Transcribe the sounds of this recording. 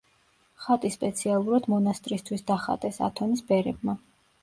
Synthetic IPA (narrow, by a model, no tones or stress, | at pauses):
χat̪ʼispʼɛt̪sʰialˠuɾad̪̥mɔnast̪ʼɾist̪ʰwisd̪aχa̰t̪ʼɛsa̰t̪ʰɔnisbɛɾɛb̚ma